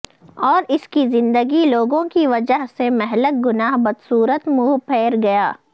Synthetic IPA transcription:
ɔːɾɪskizɪ̃nd̪əɡiloːɡõkiʋɐd͡ʒəɦsemɛɦlək̚ɡʊnaːɦbɐd̪suːɾət̪muːɦpʰɛːɾɡɐjaː

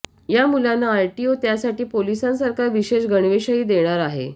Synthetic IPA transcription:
jamulanːaːjʈiot̪jasaʈiːpolisãnsəɾkaɾʋiɕeɕɡəɳ̃ʋeɕəiːd̪eɽ̃aɾaɦḛ

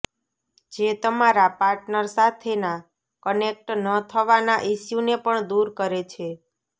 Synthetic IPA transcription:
d͡ʒet̪əmaɾapaɾʈnəɾsat̪ʰena | kənek̚ʈnət̪ʰəʋanaʔiʃjunepəɳd̪uɾkəɾet͡ʃʰe

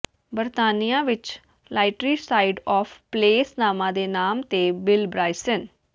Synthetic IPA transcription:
bəɾt̪aːnijãːʋɪt͡ʃ | lʔaːɪʈɾiːsaːɪɖɔːpʰpleːsnaːmãːd̪eːnaːmt̪eːbɪlbɾaːɪsən

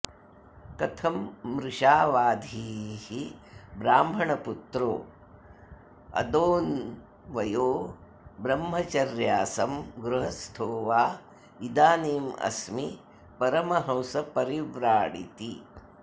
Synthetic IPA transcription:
kɐt̪ʰɐmːɾɪʂaːʋaːd̪ʱihibɾaːmbʱɐɳɐput̪ɾo̰ː | ɐ̰d̪oːn | ʋɐjoː | bɾɐmɦɐt͡ʃɐɾjaːsɐmɡɾuɦɐst̪ʰoːʋaː | id̪aːniːmɐ̰smi | pɐɾɐmɐɦɐ̃wsɐpɐɾiʋɾaːɽḭt̪i

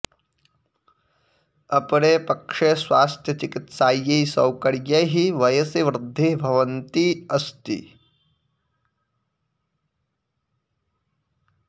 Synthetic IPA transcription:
ɐpɽepɐkʂesʋaːst̪ʰjɐt͡ʃikit̪saːjɐsɐwkɐɽjɐɦiʋɐjɐsiʋɾɪd̪ʱːibʱɐʋɐnt̪iɐst̪ḭ

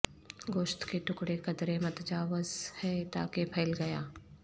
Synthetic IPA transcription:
ɡoːʃt̪keʈʊkɽekɐd̪ɾemɐt̪d͡ʒaːʋəzhɛːt̪a̰ːkepʰɛːlɡɐjaː

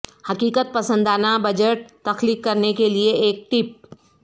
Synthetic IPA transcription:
hɐkiːkət̪̚pɐsə̃nd̪aːnabɐd͡ʒəʈ̚t̪ɐxliːkːɐɾnekelieeːk̚ʈɪp̚

